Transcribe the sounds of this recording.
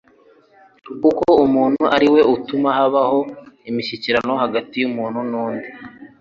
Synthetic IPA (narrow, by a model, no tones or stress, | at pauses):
kukoumuːn̥huʔaɾiwe̞utumahaβaho̞imiçiciɾano̞haɡatijumuːnhunuːndi